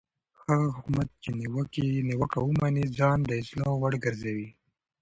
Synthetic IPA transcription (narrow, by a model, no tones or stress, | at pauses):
haɣaɦʊkumat̪̚t͡ʃeniwəkiniwəkawumanid͡zɑnd̪əɪzlowaɽɡəɾzawi